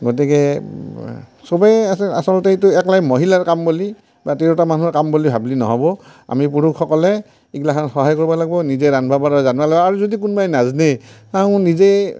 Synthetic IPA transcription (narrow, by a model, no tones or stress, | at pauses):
ɡot̬ikɛ | sɔbajasɛa̰sɔlɔtɛituɛklajmoɦilaɹkamboli | batiɹɔtamanuɔɹkamblibʱablinɔɦɔbɔa̰mipuɹukʰːɔkɔlɛ | iɡlakʰantxɔɦajkoɹibalaɡ̚bɔnizɛɾanbʱabaɹɔzanbalaɡbɔaɹuzodikunbajnaznetaʊ̃nize